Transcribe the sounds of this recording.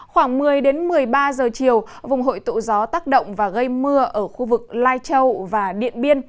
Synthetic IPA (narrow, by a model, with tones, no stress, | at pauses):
xwaː˧˩ŋmɨ˨˩əjɗe˨˦nmɨ˨˩əjɓaː˧zəː˨˩t͡ɕi˨˩əwvʊ˨˩ŋ͡mɦo̰˧˨jt̪ṵ˧˨zɔ˨˦t̪aː˦˥k̚ɗə̰˧˨wŋ͡mvaː˨˩ɣə˧jmɨ˧əʔəː˧˩xu˧vɨ˨˩k̚laː˧jt͡ɕə˧wvaː˨˩ɗḭ˧˨ənɓi˧ən